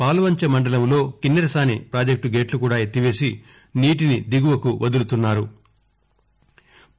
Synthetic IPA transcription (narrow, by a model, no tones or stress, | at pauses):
paːluʋɐɲt͡ʃɐmɐɳɖɐlɐmlo̞ːkinːɐɾɐsaːnipɾaːd͡ʒɐk̚ʈuɡe̞ːʈlukuːɽaːjet̪ːiʋe̞ːsi | niːʈ̬inid̪iɡuʋɐkuʋʔɐd̪ulut̪unːaːɾu